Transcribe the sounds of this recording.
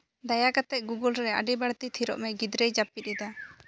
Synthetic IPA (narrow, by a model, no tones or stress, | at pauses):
d̪ajakat̪ɛʔ̚ɡuɡɔlɾɛa̰ɖibaɽt̪it̪ʰiɾɔ̰ʔmɛɡid̪ɾɛjd͡ʒapit̪̚id̪a